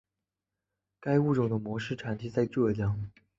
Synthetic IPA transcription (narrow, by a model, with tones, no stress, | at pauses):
ka˥ɪu˥˩ʈ͡ʂʊ˨˩ŋd̪ə˦mwɔ˧˥ʂɻ̩˥˩ʈ͡ʂʰa˨˥nt̪ʰi˧˥t͡sa˥˧ɪʈ͡ʂɤ˥˩t͡ɕjɑ˥˩ŋ